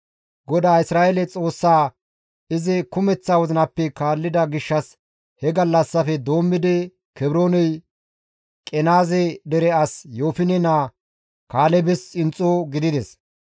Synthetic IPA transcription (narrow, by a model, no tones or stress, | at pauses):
ɡɔd̪aːɪsɾaːjelɛt͡sʼo̞ːsːaː | ɪzɪkʊmɛt͡sːaːwɔzɪnɐpːɛkaːlːɪd̪ɐɡɪʃːɐs | hɛɡɐlːɐsːɐfɛd̪o̞ːmːɪd̪ɪ | kɛbɾo̞ːnɛj | kʼɛnaːzɛd̪ɛɾɛɐsjoːfɪnɛnaː | kaːlɛbɛsɪnt͡sʼːoːɡɪd̪ɪd̪ɛs